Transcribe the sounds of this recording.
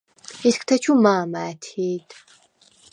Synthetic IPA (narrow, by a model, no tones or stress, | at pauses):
iskʰt̪ʰɐt͡ʃʰumaːmaːt̪ʰiːd̪